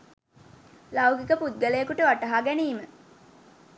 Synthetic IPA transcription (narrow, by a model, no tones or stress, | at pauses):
lawɡikəpud̪̚ɡəlejːkuʈəʋaʈɐɦaɡæniːmə